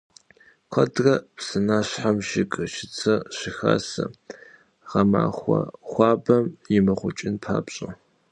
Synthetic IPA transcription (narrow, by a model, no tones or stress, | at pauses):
qʷʰɐdrɐpsɨnaːɕħamʒɪkʼʃɪt͡sʰɐɕɪxa̰ːsɐ | ʁɐma̰ːχʷɐχʷɑːbɐmjɪmɐχʷʊt͡ʃʼɪnpʰa̰ːbɕʼɐ